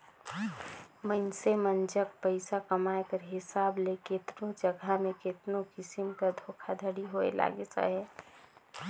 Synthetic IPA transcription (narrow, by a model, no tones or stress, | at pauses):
məɪnsemənd͡ʒək̚pəɪsakəmaekəɾɦɪsaːbleket̪nõd͡ʒəɡʱamẽket̪nokɪsɪmkad̪ʱoːkʰad̪ʱəɽiɦoḛla̰ːɡesa̰ɦɛː